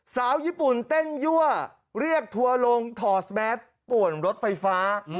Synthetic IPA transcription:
saː˩˦wjiː˥˩pu˨˩nt̪e˥˩nju˥˩ɐ | ɾi˥˩ək̚t̪ʰu˧ɐlo˧ŋt̪ʰɔː˨˩smɛ˦˥t̪̚ | pu˨˩ənɾo˦˥t̪̚fa˧jfaː˦˥

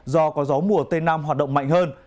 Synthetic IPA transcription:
zɔ˧kɔ˨˦zɔ˨˦wmu˧˩ət̪e˧nːaː˧mɦwaː˨˩t̚ɗə̰˧˨wŋ͡mma̰˧˨jŋ̟həː˧n

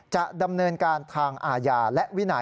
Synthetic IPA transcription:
t͡ɕa˨˩ʔda˧mnɤː˧nkaː˧nt̪ʰaː˧ŋʔaː˧jaː˧lɛ˦˥ʔwi˦˥naː˩˦

